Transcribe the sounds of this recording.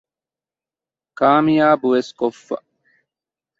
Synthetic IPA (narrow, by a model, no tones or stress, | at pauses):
kaːmijaːbuʋeskofːɐ̰